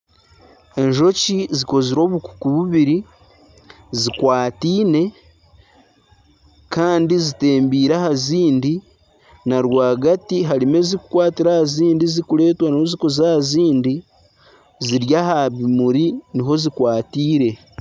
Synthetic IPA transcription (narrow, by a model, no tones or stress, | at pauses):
e̞ɲʒo̞ciziko̞ziɾo̞ːβuku̥kuβuβiɾi | zikwaːtiːne̞ | kaːndizite̞ːmbiːɾahaziːndi | naɾwaːɡatiɦaɾime̞ziku̥kwaːtiɾahaziːndizikule̞ːtwanioziko̞zahaziːndi | ziɾjahaβimuɾiniɦo̞zikwaːtiːɾe̞